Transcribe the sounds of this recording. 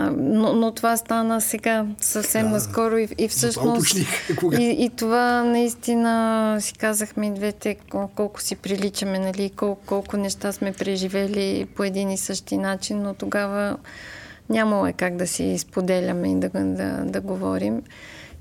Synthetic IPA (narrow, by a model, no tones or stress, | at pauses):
nonot̪ovast̪anəsɛɡasəfsɛmnɐskɔɾʊiifsɤʃnost̪iit̪ovanɐist̪inəsi̥kazəxmɛd̪vɛt̪ɛkɔlˠkʊ̥sipɾilit͡ʃɐmɛnɐliːkɔlˠkɔlˠkʊnɛʃt̪asmɛpɾɛʒivɛlipoɛd̪inisɤʃt̪inat͡ʃinːot̪oɡavə | nʲamɐlˠoɛkaɡd̪ɐsḭspod̪ɛlʲɐmɛid̪ɐd̪ɐ̰d̪ɐɡovɔɾim